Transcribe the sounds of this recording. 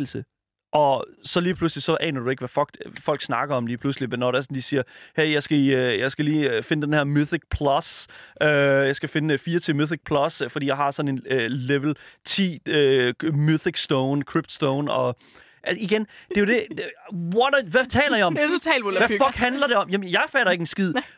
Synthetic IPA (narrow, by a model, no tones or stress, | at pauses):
l̩sə | ʔɒ̽sɒ̽liːpʰluslisɒ̽ʔɛ̰ːnɐd̥ue̝ɡ̥ʋæfɒ̽ɡ̥fɒ̽l̰ɡ̥snɑ̈ɡ̥ɐɒ̽mliːpʰluslimenːɒɾ̥eɐsɒ̽nd̥isiːɐheɪjɑ̈ɪsɡ̥æøjɑ̈ɪsɡ̥æliːfe̝nəd̥enhæɐmuθiɡ̥̚pʰlɒsøjɑ̈ɪsɡ̥æfe̝nəfiːɐt͡sʰe̝muθiɡ̥̚pʰlɒ̽sfd̥ḭːjɑɪhɑ̈sɒ̽ne̝nleʋl̩t͡sʰḭːømuθiɡ̥sd̥oʊnkʰʁib̥̚d̥sd̥oʊnɒ̽ | ʔæiɡ̥end̥e̝jo̝d̥e̝wɒdʋæt͡sʰɛ̰ːlɐjɑɒ̽mʰt͡sʰɛːlolʋæfɒ̽lɡ̥ɦænlɐɾe̝ɒ̽mjæmjɑ̈ɪfɛ̰ːɾɐe̝ɡ̥ensɡ̥ið̰ˠ